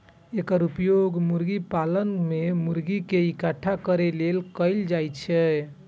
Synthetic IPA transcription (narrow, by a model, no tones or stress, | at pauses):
ekəɾupjoɡmuɾɡipalənmemuɾɡikeikaʈʰakəɾelelkəɪld͡ʒajt͡ʃʰɛ